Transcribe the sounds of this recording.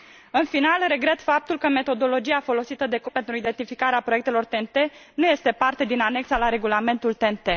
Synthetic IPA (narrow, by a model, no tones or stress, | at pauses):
ɨnfinalre̞ɡɾe̞t̪fap̚t̪ulkəme̞t̪o̞d̪o̞lo̞d͡ʒiafo̞lo̞sit̪əd̪e̞kpe̞nt̪ɾuid̪e̞nt̪ifikaɾeapɾojek̚t̪e̞lo̞rt̪ent̪e̞nuje̞st̪e̞part̪e̞d̪inane̞ksalaɾe̞ɡulame̞nt̪ult̪e̞nt̪e̞